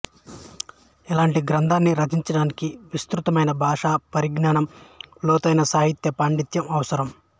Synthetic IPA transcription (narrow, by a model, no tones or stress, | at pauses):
ɛlaːɳʈiɡɾɐnd̪ʱaːnːiɾɐd͡ʒiɲt͡ʃɐɽaːnikiʋist̪ɾut̪ɐmɐjnɐbʱaːʂaːpɐɾiɡnaːɳɐmlɔːt̪ɐjnɐsaːɦit̪jɐpaːɳɖit̪jɐmɐʋɐsɐɾɐm